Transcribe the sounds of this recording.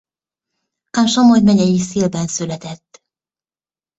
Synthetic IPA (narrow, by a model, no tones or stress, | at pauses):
kɑnʃomojmɛɟɛjisiːlbɛnsylɛt̪ɛt̪ː